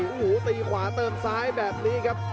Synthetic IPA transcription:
ʔu˨˩huː˩˦t̪iː˧kʰwaː˩˦t̪ɤː˧nsaː˦˥jbɛː˨˩p̚niː˦˥kʰa˦˥p̚

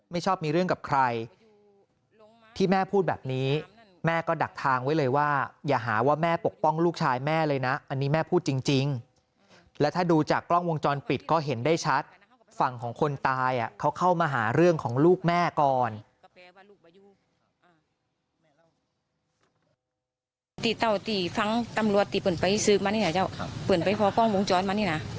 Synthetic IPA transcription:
ma˥˩jt͡ɕʰɔː˥˩p̚miː˧ɾɯ˥˩əŋka˨˩kʰɾa˧j | t̪ʰiː˥˩mɛː˥˩pʰuː˥˩t̪̚bɛː˨˩p̚niː˦˥ | mɛː˥˩kɔː˥˩da˨˩k̚t̪ʰaː˧ŋwa˦˥jlɤː˧jwaː˥˩jaː˨˩ɦaː˩˦waː˥˩mɛː˥˩po˨˩k̚pɔ˥˩ŋluː˥˩k̚t͡ɕʰaː˧jmɛː˥˩lɤː˧jna˦˥ʔa˧nːiː˦˥mɛː˥˩pʰuː˥˩t̪̚t͡ɕi˧ŋt͡ɕi˧ŋ | lɛ˦˥wt̪ʰaː˥˩duː˧t͡ɕaː˨˩kːlɔ˥˩ŋwo˧ŋt͡ɕɔː˧npi˨˩t̪̚kɔː˥˩ɦe˩˦ndaː˥˩jt͡ɕʰa˦˥t̪̚ | fa˨˩ŋkʰɔː˩˦ŋkʰo˧nt̪aː˧jʔa˨˩kʰa˦˥wkʰa˥˩wmaː˧ɦaː˩˦ɾɯ˥˩əŋkʰɔː˩˦ŋluː˥˩k̚mɛː˥˩kɔː˨˩n | t̪i˨˩t̪ːɔ˨˩wt̪iː˨˩fa˧˥ŋt̪a˧mɾu˨˩ət̪ːiː˨˩pɯ˨˩npa˧jsɯː˦˥k̚maː˧ni˥˩a˧t͡ɕaː˥˩wpɯː˨˩ənpa˧˦jpʰɔː˧kɔ˥˩ŋwo˧ŋt͡ɕɔː˧nmaː˧niː˥˩na˦˥

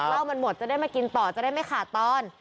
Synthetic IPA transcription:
a˥˩wma˧nmo˨˩t̪̚t͡ɕa˨˩da˥˩jmaː˧ki˧nt̪ɔː˨˩t͡ɕa˨daː˥˩jma˥˩jxʰaː˨˩t̪ɔː˧˥˩n

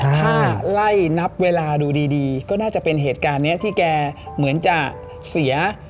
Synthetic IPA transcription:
t̪ʰaː˩˥˩la˥˩jna˦˥p̚weː˧laː˧duː˧diː˧diː˧kɔː˥˩naː˥˩t͡ɕa˨˩pe˧nɦeː˨˩t̪̚kaː˧nːi˦˥ɐt̪ʰiː˥˩kɛː˧ | mɯ˩˦ənt͡ɕa˨˩k̚ | si˩˦ɐ

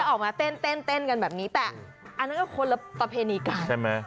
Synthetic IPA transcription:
a˥˩ʔɔː˨˩k̚maː˧t̪e˥˩nt̪e˥˩nt̪e˥˩nka˧nbɛː˨˩p̚niː˦˥t̪ɛː˨˩ | ʔa˧nːa˦˥nkɔː˥˩kʰo˧la˧˥pɾa˧pʰeː˧niː˧ka˧a˦˥˩ma˦˥

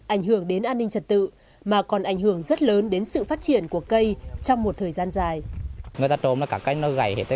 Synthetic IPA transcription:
ʔa˧˩jŋɦɨ˧˩əŋɗe˨˦nʔaː˧nːï˧ŋt͡ɕə˨˩t̚t̪ɨ̰˧˨ | maː˨˩kɔ˨˩nʔa˧˩jŋ̟hɨ˧˩əŋzə˦˥t̚ləː˨˦nɗe˨˦nsɨ̰˧˨faː˦˥t̚t͡ɕi˧˩ənku˧˩əkə˧jt͡ɕɔ˧wŋ͡mmo˨˩t̚t̪ʰəː˨˩jzaː˧nzaː˨˩jŋɨ˨˩əjt̪aː˧t͡ɕo˨˦mlaː˨˩kaː˧˩ka˧jŋnə˧ɣa˧˩jhe˨˧˩t̪ʰ

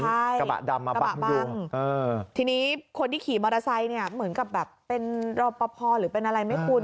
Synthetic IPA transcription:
t͡ɕʰa˥˩jka˧ba̰˨˩ʔda˧mːa˧ka˧a˦a˧˩bau˧˩ŋʔɤː˧t̪ʰiː˧niː˦˥kʰo˧nt̪iː˥˩kʰiː˩˦mɔː˧ɾaː˧sa˧jni˥˩ɐmɯ˩˦ənka˨˩p̚bɛː˨˩pːe˧nɾɔː˧pɔ˧pʰɔː˧ɾɯː˩˦pe˧nʔa˧ɾa˧jma˥˩jkʰu˧n

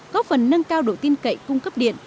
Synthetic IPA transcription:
kɔ˨˦fə˨˩nːə˧ŋkaː˧wɗo˧˩t̪i˧ənkə̰˧˨jkʊ˧ŋ͡mkə˦˥p̚ɗḭ˧˨ən

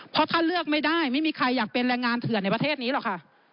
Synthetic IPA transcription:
pʰɔ˧˦˥t̪ʰaː˥˩lɯ˥˩ək̚ma˥˩jdaː˥˩jma˥˩jmiː˧kʰa˧jːaː˨˩k̚pe˧nɾɛː˧ŋːaː˧nt̪ʰɯ˨˩əna˧jpa˧t̪ʰeː˥˩t̪̚niː˦˥lɔ˨˩kʰa˥˩ʔ

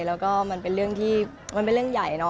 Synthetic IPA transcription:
lɛː˦˥wkɔː˥˩ma˧npe˧nɾɯ˥˩əŋt̪ʰiː˥˩ | ma˧npe˧nlɯ˥˩əŋja˨˩jnɔ˦˥

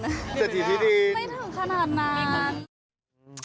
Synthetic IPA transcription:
tɛ˨˩t̪iː˨˩t̪ʰiː˦diː˧ma˥˩jt̪ʰaː˧˩ŋkʰa˧naː˨˩t̪̚naː˧n

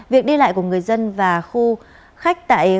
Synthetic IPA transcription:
vi˨˩ək̚ɗi˧la̰ː˧˨jku˧˩əŋɨ˨˩əjzə˧nvaː˨˩xu˧ | xa˦˥jk̟̚t̪a̰ː˧˨j

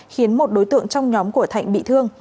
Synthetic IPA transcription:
xi˨˦ənmo˨˩t̚ɗo˨˦jt̪ɨ̰˧˨əŋt͡ɕɔ˧wŋ͡mɲɔ˨˦mku˧˩ət̪ʰa̰˧˨jŋ̟̚ɓḭ˧˨t̪ʰɨ˧əŋ

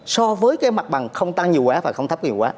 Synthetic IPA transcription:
sɔ˧vəː˨˦jkaː˨˦jma˨˩t̚ɓa˨˩ŋxə˧wŋ͡mt̪a˧ŋɲi˨˩əwkwaː˨˦vaː˨˩xə˧wŋ͡mt̪ʰp̚kːɲi˨˩waː˨˦

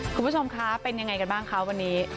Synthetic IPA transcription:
kʰu˧mbʰu˥t͡ɕʰo˧mkʰa˦˥pe˧nja˧ŋːa˧jka˧nbaː˥˩ŋkʰa˦˥wa˧nːiː˦˥

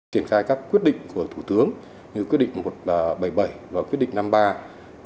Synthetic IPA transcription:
i˧˩ənxaː˧jkaː˦˥kːwi˦˥ət̚ɗḭ˧˨ŋ̟ku˧˩ət̪ʰu˧˩t̪ɨ˨˦əŋ | ɲɨ˧kwi˦˥tɗ̰ŋ̟mo˨˩t̚ːɓə˧˩jɓə˧˩jvaː˨˩kwi˦˥tɗḭ˧˨ŋ̟na˧mɓaː˧

